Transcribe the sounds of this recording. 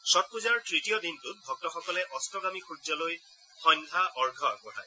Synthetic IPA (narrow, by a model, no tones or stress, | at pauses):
sɔt̚kuzaɹtɹitijɔdintʊt̚bʱɔk̚tɔxɔkɔlɛʔɔstɔɡamixʰuzɔloj | xɔnkʰaʔɔɹɡʱɔa̰kɔɦa̰j